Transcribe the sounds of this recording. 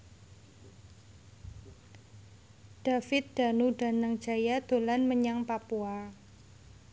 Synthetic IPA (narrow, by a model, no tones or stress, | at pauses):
d̥afɪt̪̚d̥a̤nuɖa̤naŋ̥d͡ʒajad̪̥o̤lanməɲaŋpapua